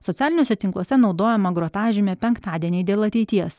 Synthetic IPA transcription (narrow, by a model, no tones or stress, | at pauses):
sɔt̪ʲæːlʲɪnʲoːsʲɛt̪ʲɪŋklˠuɔsʲɛnɒʊd̪oːjɛmɐɡɾɔt̪ɑːʒʲɪmʲɛpʲɛŋkt̪ɑːd̪ʲiɛnʲɛɪd̪ʲeːlˠɐt̪ʲɛɪt̪ʲiɛs